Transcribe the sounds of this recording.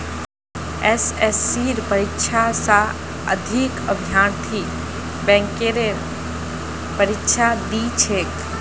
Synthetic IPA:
esesːiɾpəɾikʃʰasa | ə̰d̪ʱikəbʱijaːnt̪ʰi | bɛ̃ːŋkeːɾeɾ | pəɾɪkʃʰad̪it͡ʃʰeːk

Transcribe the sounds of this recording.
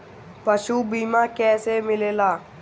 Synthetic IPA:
pəʃubiːmãːkɛːsemɪleːlaː

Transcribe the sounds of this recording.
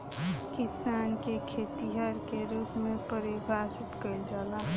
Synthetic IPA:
kɪsaːnkekʰeːt̪iɦəɾkeɾuːpmẽpəɾibʱaːsɪt̪kəild͡ʒala

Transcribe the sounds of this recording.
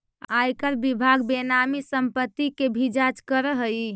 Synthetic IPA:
ajkəɾbibʱaɡbenamisəmpət̪ːikebʱid͡ʒat͡ʃkəɾəɦəj

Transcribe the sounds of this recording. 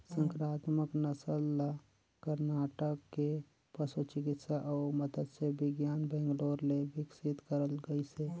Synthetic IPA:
sə̃ŋkɾaːt̪məknəsəlːa | kəɾnaːʈəkːe | pəsut͡ʃɪk̬ɪt̪saʔɔːɾməd̪əd̪sebɪɡjaːnbɛ̃ːŋɡloːɾlebɪksɪt̪kəɾəlɡəise

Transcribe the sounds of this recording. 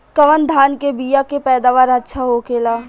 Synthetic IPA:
kɐʋənd̪ʱaːnkebiːjakepɛːd̪aːʋaːɾɐtːʃʰaɦokeːlaː

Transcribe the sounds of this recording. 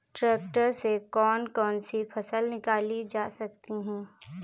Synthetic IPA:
ʈɾɛːk̚ʈəɾsekɔːnkɔːnsifʰɐsəlnɪkaːlid͡ʒaːsɐk̚t̪iɦɛ̃ː

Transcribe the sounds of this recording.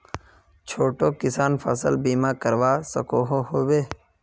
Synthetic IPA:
t͡ʃʰoːʈoːkɪsaːnfʰə̰səlbiːmaːkəɾʋaːsə̰koːɦoɦoːweː

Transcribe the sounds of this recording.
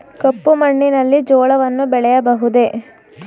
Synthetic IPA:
kɐpːumɐɳːinɐlːid͡ʒɔːɭɐʋɐnːubɛɭɛjɐbɐɦud̪e̞

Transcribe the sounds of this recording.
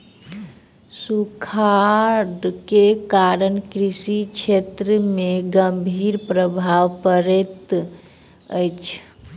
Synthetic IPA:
sukʰaɖkekaɾənkɾisikt͡ʃʰet̪ɾəmeɡəmbʱiɾpɾəbʱaʋpəɾɛt̪ | əjt͡ʃʰ

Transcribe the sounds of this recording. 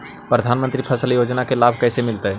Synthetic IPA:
pɾəd̪ʱaːnmə̃nt̪ɾipʰəsəljod͡ʒnakelaːbʱkɛːsemɪlt̪əɦɛ

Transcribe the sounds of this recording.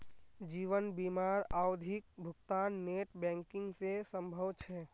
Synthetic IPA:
d͡ʒiːʋənbiːmaːɾaːwd̪ʱɪk̚bʱʊɡt̪aːnːeːʈbɛ̃ːŋkɪ̃ŋɡsesə̃mbʱəʋt͡ʃʰɛ

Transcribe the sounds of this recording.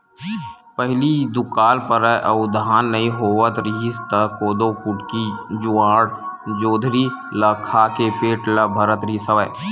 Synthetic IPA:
pəɦlid̪ʊkaːlpəɾəʔəʊd̪ʱaːnːəĩɦoːʋət̪ɾiːst̪əkoːd̪okʊʈkid͡ʒʊãːɽd͡ʒoːd̪ʱɾi | ləkʰaːkepeːʈləbʱəɾət̪ɾisəʋə

